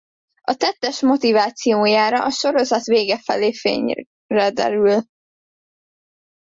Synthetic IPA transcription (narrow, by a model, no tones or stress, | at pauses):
ɒt̪ɛt̪ːɛʃmo̞t̪ivaːt̪sijoːjaːɾɒʔɒʃo̞ɾo̞zɒt̪veːɡɛfɛ̰leːfḛːɲ | rɛd̪ɛ̰ɾyl